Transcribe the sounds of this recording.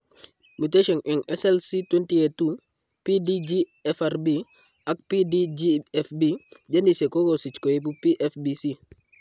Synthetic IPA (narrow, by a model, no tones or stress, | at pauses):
muteʃɔnɛŋɛsɛlsitwɛntietu | pidid͡ʒiɛfarbi | ak̚pidid͡ʒiɛfbiɟɐndisekɔɡosit͡ʃkojep̬upiʔɛfbisi